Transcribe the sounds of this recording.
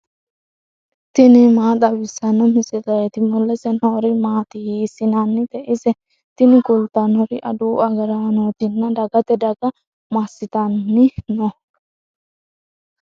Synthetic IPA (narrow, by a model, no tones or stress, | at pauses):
t̪ɪnɪmaːt̪ʼɐbɪsɐnɔmɪsɪlɐjɛt̪ɪmɔlːɛsɛnɔːɾɪmaːt̪ɪhiːsɪnanːɪt̪ɛʔɪsɛ | t̪ɪnɪkʊlt̪ɐnɔɾɪʔɐ̰d̪uːɐɡɐɾanoːt̪ɪnːɐd̪ɐɡɐt̪ɛd̪ɐɡɐ | mɐsɪt̪ɐnːɪnɔ